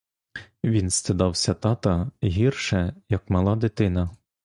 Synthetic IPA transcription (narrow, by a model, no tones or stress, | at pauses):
ʋʲinst̪ɪd̪ɑwsʲɐt̪ɑt̪ɐɦʲirʃɛjɐkmɐlˠɑd̪ɪt̪ɪnɐ